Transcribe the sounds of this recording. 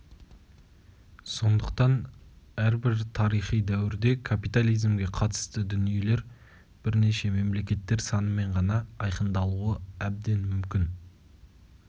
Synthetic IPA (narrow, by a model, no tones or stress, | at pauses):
so̞nd̪əq̚t̪ɑnæɾbɪɾt̪ʰɑɾijχijd̪æwɪɾd̪e̞kʰapijt̪alˠijzmɡʲe̞qʰɑt̪ə̥st̪əd̪ʏnije̞le̞ɾ | b̥ɪɾne̞ʃe̞me̞mle̞kʲe̞t̪ːe̞ɾsɑnəme̞ɴʁɑnɑːjqənd̪ɑlˠuəæb̚d̪e̞nmʏmkʲɪn